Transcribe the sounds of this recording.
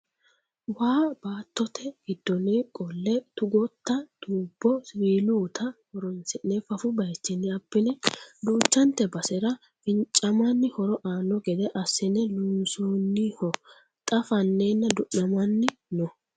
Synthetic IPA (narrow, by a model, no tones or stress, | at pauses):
waːbaːt̪ːɔt̪ʰɛɡ̥ɪd̪ːɔnekʼɔlːɛt̪ʊɡɔt̪ːɐd̪̥uːbːɔsɾiːluːt̪ʰɐhɔɾɔnsɛnɛfɐfʊbɐjt͡ʃːɛnːɪɐbːɪnɛd̪uːt͡ʃːɐnt̪ːɛbɐsɛɾɐ | fɪnt͡ʃʼːɐmɐnːɪhɔɾɔʔaːnːɔɡɛd̪ɛʔɐsːɪnɛluːnsoːnːɪhɔ | t̪ʼɐfɐnːeːnːɐd̪ʊʔɐmɐnːɪnɔ